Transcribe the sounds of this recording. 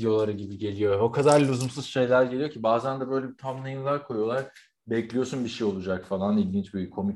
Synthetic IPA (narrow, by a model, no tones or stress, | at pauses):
jo̞lˠaɾɯɟibiɟe̞lʲijo̞okʰad̪aɾʲːuzumsuzʃe̞jlʲæɾɟe̞lijocʰibaːzænd̪ɛbø̞jlʲebit̪ʰamlˠajɯnlˠaɾkʰo̞jo̞lˠaɾ | bɛclʲijo̞sunbiʃejo̞lˠud͡ʒakfalˠanilʲɟʲint͡ʃbikʰːo̞mi